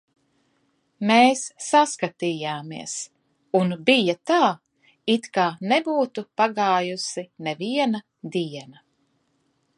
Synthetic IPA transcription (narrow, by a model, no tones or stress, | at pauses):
meːsːaskat̪iːjaːmiɛs | unbijɐt̪aː | it̪kaːnɛbuːt̪upaɡaːjusinɛviɛnɐ | d̪iɛnɐ